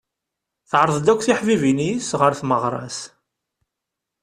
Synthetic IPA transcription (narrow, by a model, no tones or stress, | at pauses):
θəʕɾˤəðˤd̪ækʷːθiħvivinisʁəɾθməʁɾˤɑ̰s